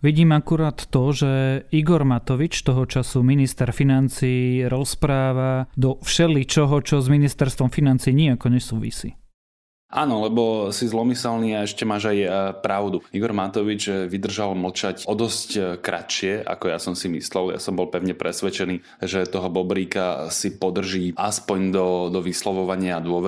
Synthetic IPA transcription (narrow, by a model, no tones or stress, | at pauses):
ʋiɟiːmakuɾaːt̪ːɔʒɛiɡɔɾmat̪ɔʋit͡ʃt̪ɔɦɔt͡ʃasuminist̪ɛɾfinant͡siːɾɔspɾaːʋad̪ɔfʃɛlit͡ʃɔɦɔt͡ʃɔzminist̪ɛɾst̪ʋɔmfinant͡siːɲiakɔɲɛsuːʋḭsḭː | ʔaːnɔlɛbɔsizlɔmisɛlniːaɛʃcɛmaːʒajpɾaʊd̪uiɡɔɾmat̪ɔʋid͡ʒʋid̪r̩ʒalml̩t͡ʃacɔd̪ɔsckɾʔa̰ʃɪɛʔa̰kɔja̰sɔmsimḭslɛlja̰sɔmbɔlpɛʊɲɛpɾɛsʋɛt͡ʃɛniː | ʒɛt̪ɔɦɔbɔbɾiːkasipɔd̪r̩ʒiːaspɔɲd̪ɔd̪ɔʋislɔʋɔʋaɲɪad̪ʊɔʋɛ